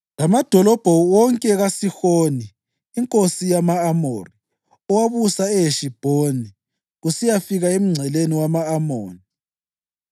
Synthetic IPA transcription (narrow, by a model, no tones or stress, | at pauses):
lamad̥ʱɔlɔb̥ʱɔwɔŋkʼɛɣasixoːniː | ŋkʼosijamaːmoːri | ɔwaβusaɛjeʃib̥ʱoni | ɣusijafiɣaem̩ŋ͡ǀʱɛleniwamaːmoːni